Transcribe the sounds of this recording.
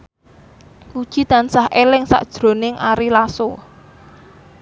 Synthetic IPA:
kud̥ʒ̥i̤t̪ansahʔelɪŋsa̰ʔd̥ʒ̥ɾo̤nɪŋʔaɾilaso

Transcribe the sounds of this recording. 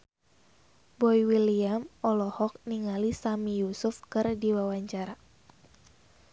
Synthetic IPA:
bɔjwiliamɔlɔhɔk̚niŋalisamijusufkɨrdiwawaɲt͡ʃaɾa

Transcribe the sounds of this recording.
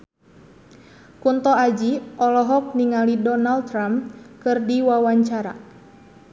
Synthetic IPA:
kunt̪ɔad͡ʒiʔɔlɔɦɔk̚niŋalidɔnalt̪ːɾamkɨrdiwawaɲt͡ʃaɾa̰

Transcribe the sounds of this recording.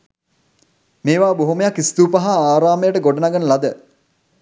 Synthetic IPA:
meːʋaːboɦuməjakːist̪uːpaɦaaːɾaːməjəʈəɡoɖənaɡənəlad̪ə

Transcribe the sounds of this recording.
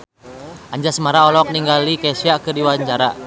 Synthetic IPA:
ʔaɲd͡ʒasəmaɾaɔlɔk̚niŋɡalikasiakɨrdiwaɲt͡ʃaɾa̰

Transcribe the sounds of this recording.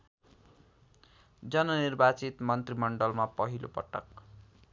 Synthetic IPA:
d͡zʌnʌnirbat͡sit̪mʌnt̪rimʌɳɖʌlmapʌɦilopʌ̰ʈʌ̰k

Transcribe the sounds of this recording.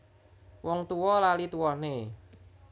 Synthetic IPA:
wɔŋt̪uwɔlalit̪uwɔne

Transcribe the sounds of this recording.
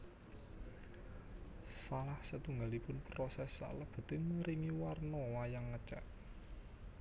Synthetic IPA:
salahsət̪uŋɡalipʊnpɾɔsɛsa̰ləb̥ə̤t̪ɪnməɾiŋiwarnɔwajaŋːət͡ʃa̰ʔ

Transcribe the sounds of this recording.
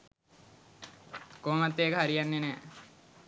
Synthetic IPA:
koːmat̪ːeːkəɦaɾijanːenɛː

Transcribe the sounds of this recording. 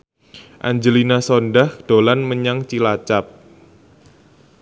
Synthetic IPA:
ʔa̰ɲd͡ʒəlinasɔnɖahd̥olanməɲaŋt͡ʃilat͡ʃap̚

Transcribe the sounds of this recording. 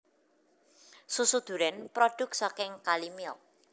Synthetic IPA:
susud̪̥ṳɾɛnpɾɔɖ̥ʊ̤k̚sɔkɪŋkalimiɔ

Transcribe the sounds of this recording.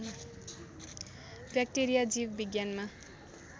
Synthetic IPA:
bjak̚ʈeɾijad͡zibbiɡjanma

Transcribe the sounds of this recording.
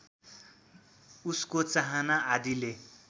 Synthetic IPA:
uskot͡saɦanaad̪ile

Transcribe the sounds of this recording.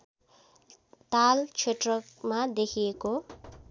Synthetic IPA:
t̪alt͡ʃʰeʈrʌkmad̪ekʰijeko

